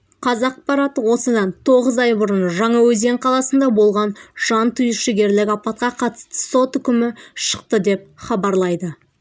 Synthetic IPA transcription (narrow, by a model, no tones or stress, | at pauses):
qʰɑzɑq̚pɑɾɑt̪əwo̞səd̪ɑnt̪ʰo̞ʁəzɑjbʊɾənʒɑɴɑwɵze̞ŋqʰɑlˠɑsənd̪ɑbo̞lˠʁɑnʒ̥ɑnt̪ʰʏjɪʃɪɡʲe̞ɾlɪkʲɑpɑt̪̚qɑqʰɑt̪ə̥st̪ə̥so̞t̪ʏkʲɪmɪʃə̥qt̪əd̪e̞p̚χɑbɑɾlˠɑjd̪ə